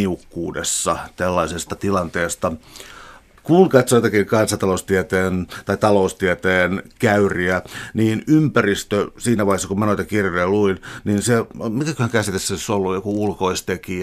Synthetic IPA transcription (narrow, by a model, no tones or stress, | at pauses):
iukːuːdḛsːɑt̪ælːɑisest̪ɑt̪ilɑnt̪eːst̪ɑ | kulket̪soit̪ɑkikɑnsɑnt̪ɑloust̪iɛt̪eːnt̪ɑit̪ɑloust̪iet̪eːnkæyriæniːnympærist̪øsiːnæʋɑˑihesːɑkumɑnoit̪ɑkirjejɑluinniːnsemikækøhæŋkæsit̪esːæisolːujokuulkoist̪eki